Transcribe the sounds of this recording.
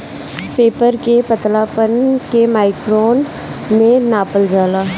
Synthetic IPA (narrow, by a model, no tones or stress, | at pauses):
peːpəɾkepət̪laːpənkemaːɪkɾoːn | mẽnaːpəld͡ʒaːlaː